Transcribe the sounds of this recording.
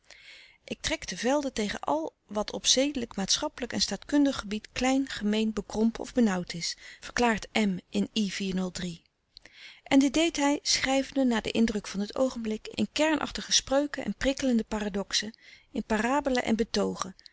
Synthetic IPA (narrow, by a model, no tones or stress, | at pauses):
ʔɪk̚trɛktəvɛlˠdətejχə̰nʔɑ̰lˠ | ʋɑtʰɔpsejdələkmaːtsχɑpələkɛ̰nstaːtkɵndəχəbitklɛjnχəmejnbəkrɔmpɔ̰vbənʌwtʰɪsfəɹklaːɹtɛmɪniv̥iːɹnɵlˠdri | ʔɛndɪt̚d̚ejtɦɛjsχrɛjvəndənaːdə̰ʔɪndrɵkfɑndəto̰wχənblɪkɪ̰nkɛɹnʔɑ̰χtəχəsprøɥkənʔɛ̰nprɪkələndəpaːradɔksə | ɪnpaːraːbələ̰ʔɛ̰nbətowχə